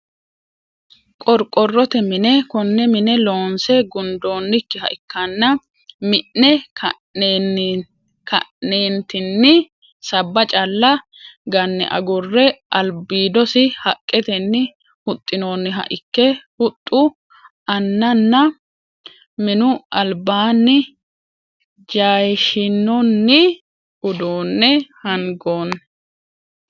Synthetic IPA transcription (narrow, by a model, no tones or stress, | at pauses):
kʼɔɾkʼːɔrːɔt̪ɛmɪnɛkɔnːɛmɪnɛlo̞ːnsɛɡʊnd̪o̞ːnːɪkːɪhɐ̰ʔɪkːɐnːɐ | mɪʔːɛ | kɐ̰nːeːnt̪ɪnːɪ | sɐbːɐt͡ʃʼɐlːɐ | ɡɐnːɛ̰ʔɐ̰ɡʊrːɛʔɐlbiːd̪ɔsɪhɐkʼːɛt̪ɛnːɪ | hʊt̪ʼːɪnoːnːɪɦɐ̰ʔɪkːɛhʊt̪ʼːʊ | ɐnːɐnːɐ | mɪnʊɐlbaːnːɪ | d͡ʒaːjʃɪnːɔnːɪ | ʊd̪oːnːɛhɐŋɡoːn